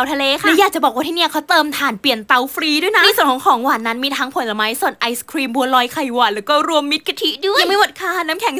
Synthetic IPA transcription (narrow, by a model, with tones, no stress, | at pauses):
a˧wt̪ʰa˧leː˧kʰaɯ˧˩˥jaː˨˩k̚t͡ɕa˨˩bɔː˨˩kwaː˧t̪ʰi˧˩ni˥˩əkʰa˨˦˥wt̪ɤː˧mt̪ʰaː˨˩npli˨˩ənt̪a˧˩wfʰɾiː˧du˥˩˨jna˦˥i˧su˨˩ənkʰɔː˨˩˦kʰɔː˩˦ŋwaː˨˩nːa˦˥nmiː˧t̪ʰaː˧˥ŋpʰo˧˩˦nla˧˩ma˦˥jso˨˩n̚ʔa˧jskʰɾiː˧mbu˧lɔː˧jkʰa˨˩jwaː˨˩lɛː˨˦wkɔː˥˩ɾu˧əmːi˦˥t̪̚ka˧t̪ʰi˧˦˥ʔdu˥˩˨jŋma˥˩wo˨˩t̪̚kʰaː˧˩naː˦˥mkʰɛ˨˩˦ŋ